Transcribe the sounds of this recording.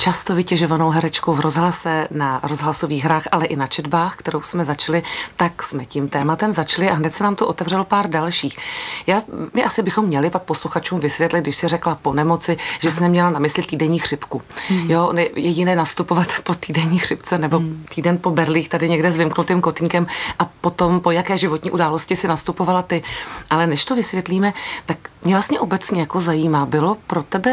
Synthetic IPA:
t͡ʃast̪ovɪcɛʒovano̞wɦɛɾɛt͡ʃkowvɾozɦlasɛnaɾo̞zɦlaso̞viːɣɦɾaːxʔalɛʔɪnat͡ʃɛdbaːxkt̪ɛɾo̞wsmɛzat͡ʃɪlɪt̪aksmɛcimt̪ɛːmat̪ɛmzat͡ʃlɪʔaɦnɛt̪sɛnaːmt̪oʔo̞t̪ɛvr̝ɛlo̞paːɾdalʃiːxjaːmɪʔasɪbɪxo̞mːɲɛlɪpak̚posluxat͡ʃuːmvɪsvjɛt̪lɪt̪̚dɪʃsɪrɛklapo̞nɛmo̞t͡sɪʒ̥ɛsɪnɛmɲɛlanamɪslɪt̪iːdɛɲiːxr̝̥ɪpkujoʔnɛjɛɟɪnɛːnast̪upovat̪po̞t̪iːdɛɲiːxr̥ɪpt͡sɛnɛbo̞t̪iːdɛnpo̞bɛɾliːxt̪adɪɲɛɡdɛzvɪmknut̪iːmkot̪ɲikɛmʔapo̞t̪o̞mpo̞jakɛːʒɪvot̪ɲiːʔudaːlo̞scɪsɪnast̪upovalat̪ɪʔalɛnɛʃt̪ovɪsvjɛt̪liːmɛt̪akmɲɛvlast̪ɲɛʔo̞bɛt͡sɲɛjako̞zajiːmaːbɪlo̞pɾo̞t̪ɛbɛ

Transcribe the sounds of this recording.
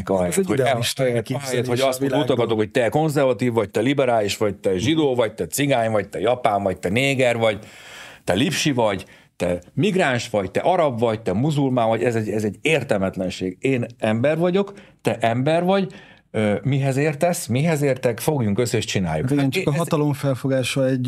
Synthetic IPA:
kɒɦɛjɛt̪hoɛt̪ɒɦɛjɛt̪hoɟɒsout̪ɒkɒt̪okhoc̚t̪ɛko̞nzɛrvɒt̪iːvːɒc̚t̪ɛlibɛɾaːliʃʋɒɟ̚t̪ɛʒid̪oːvɒc̚t̪ɛt̪siɡaːɲvɒɟ̚t̪ɛjɒpaːɱvɒɟ̚t̪ɛneːɡɛrvɒɟt̪ɛlipʃivɒɟ | t̪ɛmiɡraːnʃʋɒɟt̪ɛ̰ʔɒɾɒbvɒɟt̪ɛmuzulmaːvɒɟɛzɛɟɛzɛɟːeːrt̪ɛlmɛt̪lɛnʃeːɡeːnɛmbɛrvɒɟo̞kt̪ɛʔɛmbɛrvɒɟ | ømiɦɛzeːrt̪ɛsmiɦɛzeːrt̪ɛkfo̞ɡjuŋkøsːeːʃt͡ʃina̰ːjːukeɛnt͡ʃkt̪ɒloɱfɛlfoɡaːʃɒɛɟ

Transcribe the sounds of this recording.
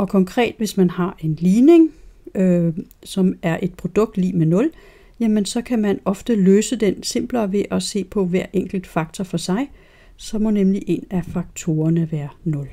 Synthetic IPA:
ɒ̽kʰɒ̽ŋkʰʁɛ̰ːd̥ʋe̝smænhɑ̈ʔe̝nliːne̝ŋøsɒ̽mæɐʔe̝d̥̚pʰʁo̝d̥ɔ̽ɡ̥̚d̥lḭːmenɔ̽l | jæmənsɒ̽kʰæmænɒ̽fd̥əløːsəd̥ense̝m̰b̥lɐʋe̝ʔɒ̽se̝̰ːpʰɒ̽ʋæɐ̰ʔeŋ̰ɡ̥l̩d̥fɑ̈ɡ̥t͡sʰɒfɒ̽sɑ̈ɪ | sɒ̽mɔ̽nemliʔe̝næfɑ̈ɡ̥̚t͡sʰo̝ːɐnəʋæːɐnɔ̽l

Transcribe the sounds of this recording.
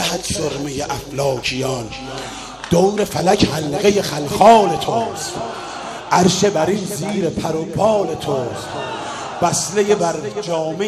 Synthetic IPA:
æhæt̪ʃoɾmejeʔæflɒːkʰijɒn | d̪̥owɾefælækʰhælɣejexælxɒːlet̪ʰost̪ | ʔæɾʃebæɾinziːɾepʰæɾobɒːlet̪ʰos | b̥æslejebæɾd͡ʒɒːme

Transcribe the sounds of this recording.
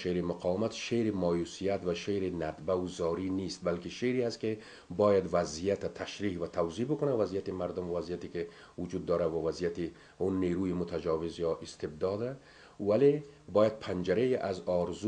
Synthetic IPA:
ʃeɾimʊqʰɑːwamat̪ʃeɾimɔjusijat̪vaʃeɾinad̪bauzɔːɾinist̪̚balkiʃeɾihast̪ke | bɔjad̪vazijat̪at̪ʰaʃɾiːhvat̪ʰawzibʊkʊnavazijat̪imaɾd̪ʊmavazijat̪ike | vʊd͡ʒud̪ːɔːɾavavazijat̪i | unːeɾuːjimʊt̪ʰad͡ʒɑːvɪzjɒʔist̪ɪb̚d̪ɒːd̪a | valebɔːjad̪̚pʰand͡ʒaɾejiʔazɒɾzu

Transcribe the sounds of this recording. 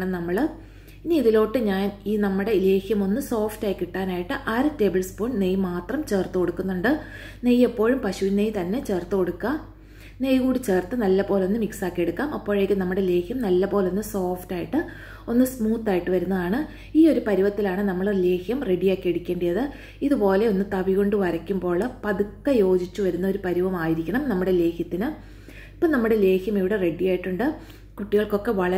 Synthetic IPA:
ɳɨnɐmːɐɭ | iniiðilo̞ːʈːɨɲaːniːnɐmːuɽe̞le̞ːxjɐmo̞nːɨso̞ːftaːjkːiʈːaːnaːjiʈːɨʔaːɾɨte̞ːbɨlspoːɳnejmaːt̪rɐmt͡ɕe̞ːrt̪ːɨko̞ɽukːunːuɳɖɨ | nejːepːo̞ːɻumpɐɕuʋinejt̪ɐnːe̞t͡ɕe̞ːrt̪ːɨkoɽukːaːm | nejɣuːɽit͡ɕe̞ːrt̪ːɨnɐlːɐpo̞ːlo̞nːɨmiksaːkːieɽukːaːmɐpːo̞ːɻe̞ːkʲːɨnɐmːuɽele̞ːxʰjɐmnɐlːɐpoːlo̞nːɨso̞ːftaːjiʈːɨ | o̞nːɨsmuːt̪ːaːjiʈːɨʋɐɾunːɐðaːɳɨ | iːo̞ɾupɐɾiʋɐt̪ːilaːɳɨnɐmːɐɭle̞ːhjɐmre̞ɖijaːkːieɽukʲːeːɳɖijɐðɨ | iðupo̞ːle̞o̞nːɨt̪ɐʋiɣo̞ɳɖɨʋɐɾɐkʲːumbo̞ːɭpɐðukːɐjo̞ːd͡ʑit͡ɕːuʋɐɾunːɐo̞ɾupɐɾiʋɐmaːjiɾikʲːɐɳɐmnɐmːuɽe̞le̞ːxjɐt̪ːinɨ | ipːoɭnɐmːuɽe̞le̞ːxjɐmiʋiɽere̞ɖijaːjiʈːuɳɖɨ | kuʈːiɣɐɭko̞kːe̞ʋɐɭɐ

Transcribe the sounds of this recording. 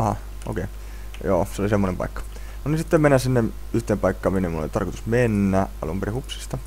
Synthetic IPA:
ɑɑ | o̰keː | jo̰ːseolisemːonempɑ̰ikːɑ̥ | nonisit̪ːemenːæsinːem | yht̪eːmpɑikːɑːminːemuno̰it̪ɑ̰rkot̪u̥smenːæʔɑ̰lṵmperihupsi̥st̪ɑ

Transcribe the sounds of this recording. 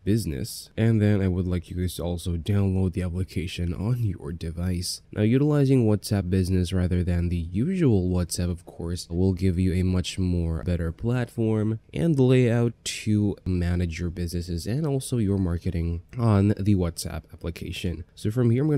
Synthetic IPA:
b̥ɪznɨ̰sʔɨ̃nðɨ̃naɪwədˡlaɪkʰjɨkɨɔlˠsoʊdãʊ̃nloʊd̪̚ðiæplɨkʰeɪʃɨ̃nə̃njə̰˞dɨvaɪsnʔa̰ʊjʉɾəlaɪzɪ̃ŋwɑtsæp̚b̥ɪznɨsɹæðə˞ðɨ̃nðɨjʉʒəwl̩ˠwɑtsæpʌv̥kʰɔɹswɪlˠɡɪvjɨɨmʌt͡ʃmɔɹbɛɾə˞pʰl̥ætfɔɹmʔɨ̰̃nleɪaʊtʰumænɨd͡ʒjə˞bɪznɨsɨzɨ̃nɔlˠsoʊjə˞mɑɹkɨɾɪ̃ŋə̃nðɨwʌtsæ̰pæplɨkʰḛɪʃɨ̃nsoʊfɹʌ̃mhiɹãɪmɡ

